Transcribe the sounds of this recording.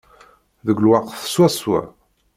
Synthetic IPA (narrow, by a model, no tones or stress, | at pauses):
ðəɡlwɑqθswæswæ̰